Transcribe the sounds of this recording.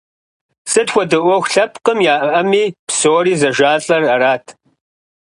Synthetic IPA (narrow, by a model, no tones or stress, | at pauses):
sɨtxʷɔdɨʔʷɔxʷɬɐpʰqəmjaːʔʔɐmiːpsoːɾiːzɐʒaːɬʼɐrɐɾaːtʰ